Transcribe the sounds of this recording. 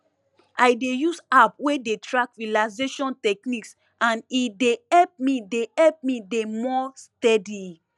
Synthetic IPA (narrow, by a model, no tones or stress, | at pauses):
ajdejusap̚wedetʰɹãkɹilaɪzeʃɔ̃ntɛkniks | ãnideɛlp̚mideɛp̚midemɔstɛdi